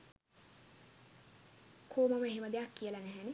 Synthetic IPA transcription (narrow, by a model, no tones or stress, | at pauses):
kʰoːməməeɦeməd̪ejakːijəlanæɦæne